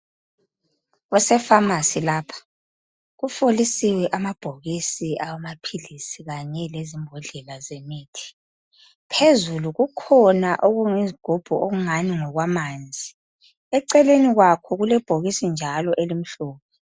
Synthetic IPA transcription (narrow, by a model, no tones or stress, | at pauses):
ɣɔsɛfamasilaːpʰḁ | ɣufolisiwɛʔamab̥ʱoɣisiawamapʰilisiɣaɲɛlezimbʱɔɮɛlazemiːtʰi̥ | pʰezuluɣukʰɔnaʔoɣuŋiziɡ̥ʱub̥ʱuoɣuŋaniŋɔɣwamaːnd͡zʱi | ɛǀɛleniɣwakʰɔɣulɛb̥ʱoɣisind͡ʒʱalɔʔelim̩ɬɔːβʰɛ